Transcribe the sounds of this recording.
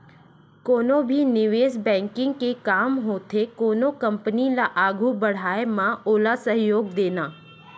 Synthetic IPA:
koːnõbʱinɪʋeːsbɛ̃ːŋkɪ̃ŋɡkekaːmɦoːt̪ʰekoːnõkɐ̃mpənilaʔaːɡʱubəɽ̤aːemãoːlasəɦjoːɡd̪eːnaː

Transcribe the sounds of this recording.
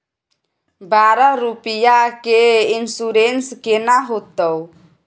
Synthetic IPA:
baɾaɾupijakeinsuɾenskenaɦot̪əw

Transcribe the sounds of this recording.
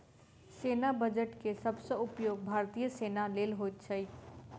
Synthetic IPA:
seːnabəd͡ʒəʈkesəbsəʊpjoːɡ̚bʱaːɾt̪ijəseːnaleːlɦoːjt̪̚t͡ʃʰəi

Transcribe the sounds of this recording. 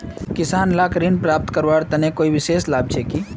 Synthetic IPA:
kɪsaːnlaːkɾiːnpɾaːp̚t̪kəɾʋaːɽt̪ɐnekoːiʋɪʃeːslaːb̚t͡ʃekiː

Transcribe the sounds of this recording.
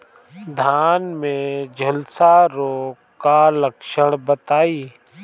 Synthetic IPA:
d̪ʱaːnmẽd͡ʒʱəlsaɾoː | kaləkʃəɽ̃bət̪aːiː

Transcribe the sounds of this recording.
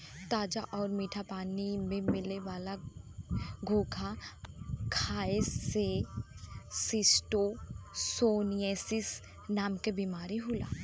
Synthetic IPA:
t̪aːd͡ʒaʔɔːɾmiːʈʰapaːnimẽmɪleʋaːla | ɡʱoːkʰa | kʰaːese | sɪsʈosoːnieːsɪs | naːmkebiːmaːɾiɦʊla̰ː

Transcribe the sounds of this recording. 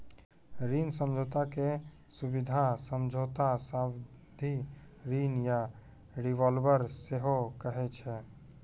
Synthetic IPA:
ɾinsəmd͡ʒʱot̪ake | subid̪ʱasəmd͡ʒʱot̪asab | d̪ʱi | ɾinja | ɾiʋɔlbəɾseɦokəɦɛt͡ʃʰɛ

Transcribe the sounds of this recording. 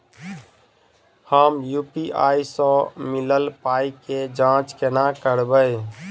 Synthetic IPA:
həmjupiʔaisə̃miləlpaiked͡ʒãt͡ʃkenakəɾbəj

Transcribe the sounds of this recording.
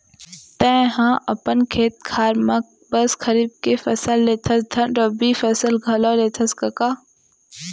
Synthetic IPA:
t̪ɛ̃ɦãːʔɐpənkʰeːt̪̚kʰaːɾmɐk̚ | bɐskʰɐɾiːb̚kefɐsəlːeːt̪ʰɐsd̪ʰɐnɾobiːfɐsəlɡʱɐloːleːt̪ʰɐskɐkaː

